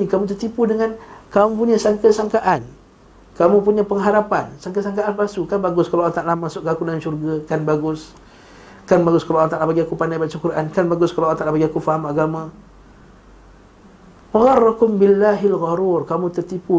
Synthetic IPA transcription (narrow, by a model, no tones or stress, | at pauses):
ikamut̪̬ərt̪ipudəŋankamupuɲasaŋkəsaŋkaʔan | kamupuɲapəŋɦaɾapansaŋkasaŋkaʔanbasukanbaɡʊskalaat̪aʔlamasʊʔɡakudaŋanʃurɡakanbaɡʊs | kanbaɡʊskalaʔat̪aʔlabaɡiakupandajbat̪̚sukurankanbaɡʊskalaʔant̪aʔlapaɡiakufaɦamaɡama | paɣɑrːakʊmbɪlːaɦilɣaɾurkamut̪ərt̪ipu